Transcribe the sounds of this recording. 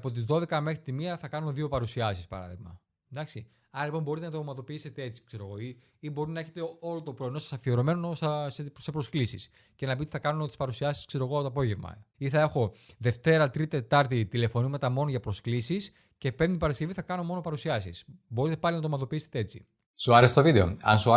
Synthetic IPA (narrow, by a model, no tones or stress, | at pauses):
po̞t̪̬izðo̞ðe̞kɐme̞xɾit̪imiɐθɐkɐno̞ðio̞pɐɾusiɐsispɐ̰ɾɐ̰ðiɣmɐ̰ | d̪ɐksi | ɐɾɐlipo̞mbo̞ɾit̪enɐt̪omɐðo̞piise̞t̪ee̞t͡si̥kse̞ɾo̞ɣo̞i | ibo̞ɾinɐe̞çe̞t̪eo̞lo̞t̪opɾo̞eno̞sɐ̥sɐfio̞ɾo̞me̞noossese̞pɾo̞sklisis | ce̞nɐpiot̪i̥θɐkɐnunot̪i̥spɐɾusiɐsi̥skse̞ɾo̞ɣoɐpot̪oɐp̬o̞ʝe̞vmɐ̰iθɐe̞xo̞ðe̞ft̪e̞ɾɐt̪ɾit̪e̞t̪ɐɾt̪it̪ile̞fo̞nimet̪ɐmo̞noʝɐpɾo̞sklisis | ce̞pe̞mt̪ipɐɾɐsce̞viθɐkɐno̞mo̞no̞pɐɾusiɐsḭsbo̞ɾit̪e̞pɐlinɐt̪omɐðo̞piise̥t̪ee̞t͡sḭ | suɐɾest̪ovid̪e̞o̰ɐ̰nsu